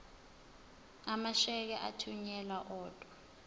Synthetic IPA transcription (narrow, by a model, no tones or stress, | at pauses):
amaʃɛk̬ɛʔa̰tʰuɲɛlaʔɔːd̥ʱʼwa